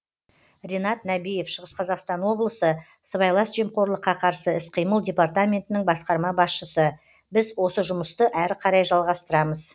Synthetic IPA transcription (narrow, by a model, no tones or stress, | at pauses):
rʲenɑt̪næbije̞fʃəʁəsqʰɑzɑqst̪ɑnwo̞blˠəsə | səβɑjlˠɑsʒiemqo̞ɾlˠəqːɑqʰɑɾsəɪsqʰijməlˠd̪ʲe̞part̪amʲe̞nt̪ɪnɪŋbɑsqɑɾmɑbɑsʃəsə | bɪzwo̞səʒʊməst̪əʔæɾqʰɑɾɑjʒɑlˠʁɑst̪əɾɑməz̥